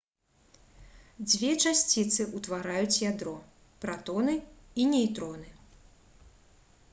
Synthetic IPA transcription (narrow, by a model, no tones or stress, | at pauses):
d͡zʲvʲɛt͡ʂasʲt͡sʲit̪sɨʔut̪vaɾajut͡sʲjad̪ɾɔ | pɾat̪ɔnɨinʲɛjt̪ɾɔnɨ